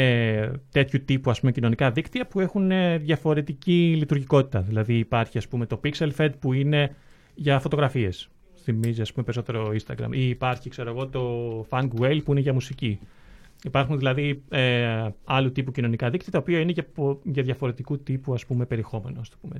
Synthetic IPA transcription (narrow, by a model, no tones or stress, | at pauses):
et̪e̞t̪çut̪ipuɐspumecino̞nikɐðikt̪iɐpue̞xuneðʝɐfo̞ɾe̞t̪icilit̪uɾʝiko̞t̪i̥t̪ɐðilɐðiːpɐɾçiɐspume̞t̪o̞pikse̞lfe̞d̪̚puine̞ | ʝɐfo̞t̪o̞ɣɾɐfie̞s | θimiziɐspumepeɾiso̞t̪e̞ɾo̞inst̪ɐɡɾɐ̰mʔiːpɐɾçikse̞ɾo̞eɣo̞t̪o̞fɐŋɡwe̞jlpuineʝɐmusici | ipɐɾxunðilɐðieɐlut̪ipucino̞nikɐðikt̪iɐt̪ɐopiɐineʝɐʝɐðʝɐfo̞ɾe̞t̪ikut̪ipuɐspume̞pe̞ɾiexo̞me̞nost̪ɐ̥pume